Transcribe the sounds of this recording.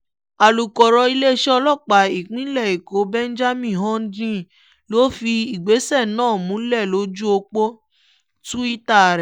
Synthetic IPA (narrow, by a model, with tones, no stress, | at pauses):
a˨lu˨kɔ˨ɾɔ˧i˧le˦ʃɛ˦ɔ˧lɔ˦˨k͡pa˨˦i˨k͡pĩ˦lɛ˦˨i˨ko˨˦bɛ̃˦n̩˦d͡ʒa˦mĩ˦˨ɦɔ̃˦n̩˦dĩ˦˨ | lo˨˦fi˧i˨ɡ͡be˨˦sɛ˦˨nãː˦˨mũ˨˦lɛ˦˨lo˨˦d͡ʒu˦o˧k͡po˦ | tũ˦i˦ta˦˨ɾɛ˨